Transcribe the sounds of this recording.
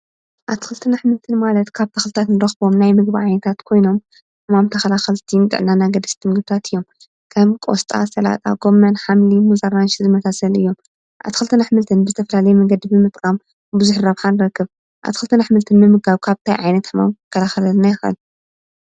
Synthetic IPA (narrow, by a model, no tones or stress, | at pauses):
ʔat̪ʰxɨlt̪ʰɨnaħmɨlt̪ʰɨnmalɐt̪kʰaβt̪ʰɐxlɨt̪ʰat̪nɨɾɐxbo̞mnajmɨɡbiʕajnɐt̪ʰat̪kʰo̞jno̞m | ħɨmamt̪ʰɐxɐlaxɐlt̪ʰint̪ʼɨ̰ʕnanaɡɐd̪ɐst̪ʰːɨŋɡɨβt̪ʰat̪ɨjːo̞m | kʰɐmkʼo̰st̪ʼa̰sɐla̰t̪ʼa̰ɡo̞mːɐnħamlimuzaɾanʃizɨmɐsʰasɐlɨ̰jːo̞m | ʔa̰βt̪ʰxɨlt̪ʰɨnaħmɨlt̪ʰɨnbɨzɨt̪ʰɐfɐlalɐjmɐɡɐd̪ibɨmɨt̪ʼkʼam | bɨzuħɾaβħanɨɾɐkːɨβ | ʔa̰t̪ʰixɨlt̪ʰɨnaħmɨlt̪ʰɨnbɨmɨɡaβkʰaβt̪ʰajʕajnɐt̪ħɨma̰mkʰɐlaxɐlɐlnajɪxʔɨ̰l